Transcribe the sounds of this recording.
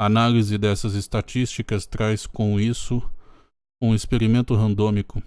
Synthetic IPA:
analizɪd̪ɛsɐzest̪at͡ʃist͡ʃikɐst̪ɾajskõw̃isʊ | ũespeɾimẽnt̪ʊɦɐ̃nd̪õmikʊ

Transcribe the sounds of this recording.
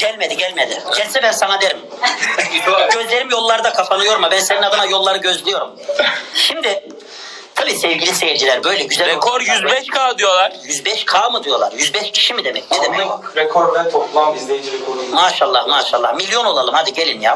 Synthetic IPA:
ɟ̥ælʲme̞d̪iɟælʲmed̪ɪɟɛlʲsɛbɛnsanad̪eɾim | ɟø̞zlʲe̞ɾimjo̞lˠːaɾɯd̪akʰapʰanˠɯjo̞ɾumabɛnseninad̪ɯmajo̞lˠːaɾɯɟø̞zlʲijo̞ɾumʃimd̪ɪ | t̪ʰabiːsɛvɟilʲisejiɾd͡ʒilʲæɾbø̞jlʲɛɟyzɛɾekʰoɾjyzbɛʃkʰaːd̪yjo̞lˠaɾ̥jyzbɛʃkʰaːmɯd̪ɯjo̞lˠa̰ɾjyzbɛʃcʰi̥ʃimid̪emɛ̰cnɛd̪emɛɾɛkʰoɾd̪ɛt̪ʰoplˠaemaːʃalˠːahmaːʃa̰lˠːahmilʲːjo̞no̞lˠalˠɯmhad̪iɟe̞lʲinja̰ː

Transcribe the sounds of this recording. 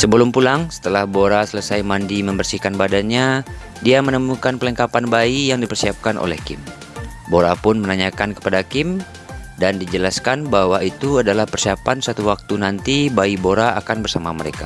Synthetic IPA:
səbəlumpulaŋsə̥t̪əlahboɾasələsajmandiməmbərsihkanbadanɲa | diamənəmukanpələŋkapanbaijaŋdipərsiap̚kanʔo̰lɛ̰hkɪm | boɾapʊnmənaɲakankə̥padakɪm | dandid͡ʒəlaskanbaɦwait̪uadalahpərsiapansat̪uwak̚t̪unant̪ibaiboɾaakanbərsamaməɾḛka̰

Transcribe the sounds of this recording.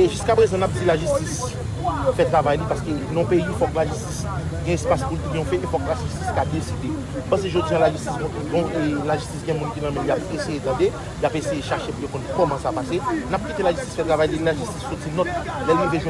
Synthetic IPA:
eʒyskapʁezɐ̃nap̚d͡zilaʒystis | fɛt̪ʁavajnĩpaskølnɔ̃pejifɔklaʒystis | ɡɛ̃ɛspaspult̪eɡjɔ̃fɛʔefɔklaʒysti̥skad̪esid̪e | m̩pɐ̃seʒod͡ziãlaʒystisbɔ̃kiɡɔ̃elaʒystisɡɛ̃mũnkinɐ̃mɛ̃ljapesejet̪ɐ̃d̪e | ljapesejeʃaʃepujokɔ̃nkɔmɑ̃sapasenap̚kʲit̪elaʒystt͡si̥sfɛt̪ʁavajdelaʒysti̥ssotinɔt̪ | lɛlnũbezwɛ̃

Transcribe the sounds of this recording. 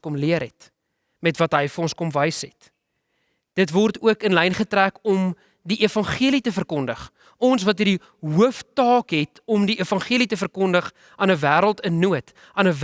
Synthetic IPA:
kɔmliəɾɦɛt | mɛtvɐtɦəjfəɔnskɔmvəjsɛt | d̥ətvɔrtuəkənlɛjnχətrækɔm | diʔifɐnχiəlitəfərkɔndəχ | ɔns̬vɐtərdi | ɦuəftɑːkɦɛtɔmdiʔifɐnχiəlitəfərkɔndəχ | ʔɑːnəvæːɾəlˠtənːuət | ɑːnəv

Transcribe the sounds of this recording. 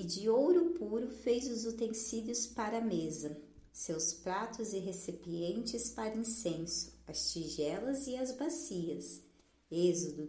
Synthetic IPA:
ɪd͡ʒɪowɾʊpuɾʊfejzʊzot̪ẽsid̪iʊspaɾɐmezɐ | sewspɾat̪ʊzɪɦesipiẽnt͡ʃɪspaɾɐĩsẽsʊ̥ɐst͡ʃiʒɛlɐzɪɐzbasiɐs | ezod̪ʊ

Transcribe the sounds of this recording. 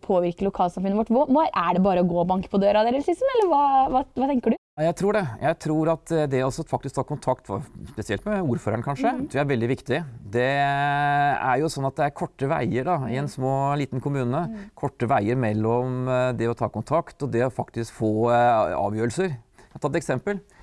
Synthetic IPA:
pʰoːʋɪɾkəlʊkʰɑːlsɑmfʉnəʋɔʈːʋmɑæɖɛbɑːɾəɔɡoːbɑŋkə̥pʰɔd̪øːɾɑd̪eːɾəlslɪsmɛlːəɾʋɑːʋɑʋɑːt̪ʰɛŋkəɖʉ | ɑjæɪt̪ʰɾuːɖɛjʔæɪt̪ʰɾuːɾɑt̪d̪ɛɔɔsɔfɑkt̪ɪsk̚t̪ʰɑːkʊnt̪ʰɑkt̪fspɛsɪɛlt̪mɛuːɾføːɾənkʰɑnʂət̪ɾuæɾʋɛld̪ɪʋɪkt̪ɪd̪ɛ | æ̰ɾjʊsɔnːɑt̪̚d̪ɛæɾkʰɔʈːəʋæ̰ɪəɖɑɪɛnsmoːliːt̪nkʰʊmʉːnəkʰɔʈːəʋæɪəɾmɛlːɔmd̪ɛɔt̪ʰɑːkʊnt̪ʰɑkt̪ɔd̪ɛɔfɑkt̪ɪskfoːɑ̰ːʋjøːɾəl̩səɾt̪ʰɑt̪ːt̪ɛksɛmpəl

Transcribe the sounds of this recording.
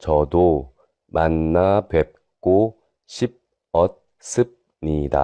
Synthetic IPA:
t͡ɕʌdo | manːapep̚ | k͈o | ɕʰip̚ | ʌt̚ | s͈ʰɯp̚ | nida̰

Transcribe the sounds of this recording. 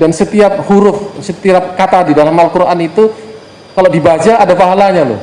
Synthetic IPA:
dansət̪iap̚huɾʊfsət̪iap̚kat̪adidalamalkuɾanit̪u | kaladibad͡ʒaːdapaɦalaɲalʊ̰h

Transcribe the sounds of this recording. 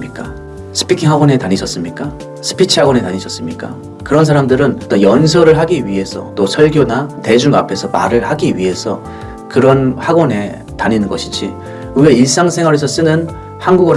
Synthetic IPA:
ɲik͈a | sʰɯ̥pʰikʰiŋɦaɡonetaɲiɕ͈ʰʌs͈ɯmɲik͈a | sʰɯ̥pʰit͡ɕʰiɦaɡone̞taɲiɕʰʌs͈ɯmɲik͈a̰ | kɯɾʌns̬ʰaɾamdɯɾɯnt͈ojʌns̬ʰʌɾɯɭɦaɡiɥiɦe̞sʰʌt͈osʰʌɭɡjonate̞d͡ʑuŋa̰pʰe̞sʰʌma̰ɾɯɭhaɡiɥiɦe̞sʰʌ | kɯɾʌnhaɡone̞ | taɲinɯnɡʌɕʰi̥d͡ʑḭ | uweiɭs͈aŋsʰe̞ŋwaʌɾes̬ʰʌs͈ɯnɯn | hanɡuɡʌ

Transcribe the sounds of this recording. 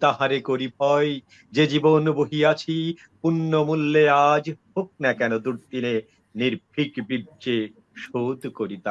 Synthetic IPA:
t̪aɦaɾekoɾipʰɔje | d͡ʑed͡ʑibonbuɦijat͡ɕʰi | punːomulːead͡ʑhok̚nɛkɛnod̪uɾd̪ine | niɾb̚ʱikbibd͡ʑe | ʃod̪koɾit̪a

